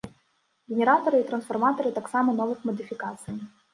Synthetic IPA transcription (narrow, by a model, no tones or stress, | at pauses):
ɡʲɪnʲɪɾat̪ɔɾɨit̪ɾɐnsfɐrmat̪ɔɾɨt̪aksamɐnɔvɨxmɐd̪ɨfʲɪkat̪sɨj